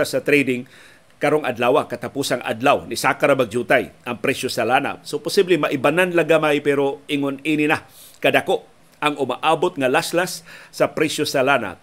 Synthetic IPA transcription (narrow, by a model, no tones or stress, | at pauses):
asɐt̪ɾɛjd̪ɪŋ | kaɾoŋa̰d̪laːwakɐt̪apusaŋʔa̰d̪lawnɪsakaɾamaɡ̚d͡ʒuːt̪ajʔɐŋpɾɛʃosalaːna̰sopʊsiblɪmaʔɪbananlaɡamajpɛɾoʔɪŋoniːnɪna | kɐd̪akoʔ | aŋʊmaʔaːbot̪̚ŋalaslasːɐpɾɛsosalaːna̰